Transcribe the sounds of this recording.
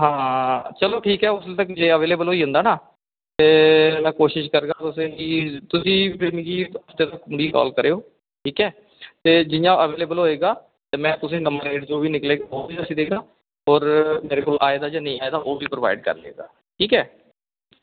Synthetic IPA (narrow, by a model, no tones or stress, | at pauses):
ɦãːt͡ʃəloːʈʰiːkɛːʊst̪əkd͡ʒeːəʋeːleːbəlɦoːiːɦʊ̃nd̪aːnaː | t̪eːmɛ̃ːkoːʃɪʃkəɾɡaːt̪ʊsẽːkiːt̪ʊsĩːpeːmĩːkiːəft̪eːt̪əkːmʊɖiːkɔ̰ːlkəɾeːoː | ʈʰiːkɛː | t̪eːd͡ʒɪjãːʔəʋeːleːbəlɦoːeːɡaː | t̪eːmɛ̃ːt̪ʊs̬ẽːnəməɾeːʈd͡ʒoːʋiːnɪkleːɡaːoːbiːəsĩːd̪eːɡaː | ɔːɾmeːɾeːkoːlʔaːeːd̪aːd͡ʒaːnəĩːaːeːd̪aːʔoːʋiːpɾəʋa̰ːɪɖ̚kə̰ɾlḛːɡa̰ː | ʈʰiːkɛː